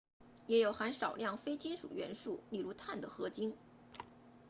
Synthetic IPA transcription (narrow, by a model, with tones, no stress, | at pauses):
jɛ˧˥jo˨˩ʊxa˧˥nʂɑ˨˩ʊljɑ˥˩ŋfe˥ɪt͡ɕi˥nʂṵ˨˩ɥɛ̰˧˥nʂu˥˩li˥˩ɻu˧˥t̪ʰa˥˩nd̪ə˩xɤ˧˥t͡ɕi˥n